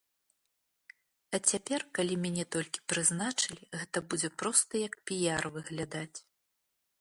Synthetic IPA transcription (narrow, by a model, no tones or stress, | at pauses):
ɐt͡sʲapʲɛrkalʲimʲanʲɛt̪ɔlʲkʲi̥pɾɨznat͡ʂɨlʲiɣɛt̪ɐbud͡zʲɛpɾɔst̪ɐjɐk̚pʲijarvɨɣlʲad̪at͡sʲ